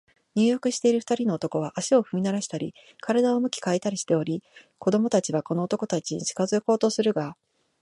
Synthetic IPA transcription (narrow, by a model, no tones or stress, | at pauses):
ɲ̟ɨːjo̞kɯ̟ɕi̥t̪e̞iɾɯ̟ɸɯ̥t̪aɾʲino̞ːt̪o̞ko̞β̞aʔaɕio̞ɸɯ̟mʲinaɾaɕi̥t̪aɾʲi | kaɾad̪aomɯ̟kʲi̥kaet̪aɾʲiɕi̥t̪e̞o̞ɾʲiko̞d̪o̞mo̞t̪at͡ɕiβako̞no̞ːt̪o̞ko̞t̪at͡ɕiɲḭt͡ɕi̥kazɨko̞ːt̪o̞sɨɾɯ̟ɡa